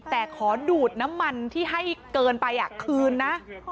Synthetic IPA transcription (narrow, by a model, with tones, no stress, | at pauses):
t̪ɛː˨˩kʰɔː˩˦duː˨˩t̪̚na˦˥mːa˧nt̪ʰiː˥˩ɦa˥˩jkɤː˧npa˧jʔa˨˩kʰɯː˧nːa˦˥ʔ